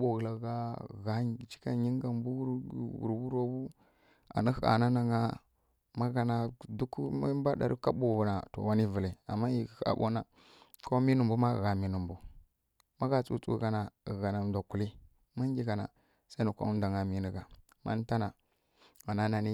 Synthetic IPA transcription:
ɓo˨ɣla˨˦ɡa˦˨ɣa˦˨t͡ʃi̥˦ka̰˦ɲi˦ŋ˦ɡa˨mbu˦wṵ˨ɾbu˦ɾo˦bu˦ | a̰˨nə˦˨˦a̰˨na˦na˨ŋa˦ | ma˦ɡa˨na˨du˦ka̰˦mba˦ɗa̰˨ɾi˦ka˦bo˨ɣu˨na˨to̰˨wa˦ni˦və˨la˨a̰˨mːa˦ji˨xa̰˨bo̰˦na˨ | ko˦mi˦nu˨mbu˦ma˦˨ɣa˨mi˦nu˨mbu˨ | ma˦ɡa˨t͡sṵ˦t͡sṵ˦ɡa˦na˨ɣa˨na˨˦da˨ku˨li˦ | ma˦ŋ˦ɡi˦ɡa˨na̰˨ | sa˦nu˨kʷo̰˦u˦da˨ŋa˨mi˦ni˨ɡa˨ | ma̰˦n˦ta˦na˨ | ɣa˨na˦na˨ni˦

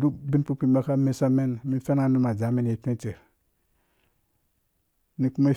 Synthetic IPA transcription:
du˦bi˦npu˦k͡pi˦ba˦ka˦me˦sa˦me˦nmi˦n˦fe˦na˦nu˦ma˨d͡ʒa˨˦me˦n˨e˨pe˦te˨ɾ | ni˨ku˦me˦

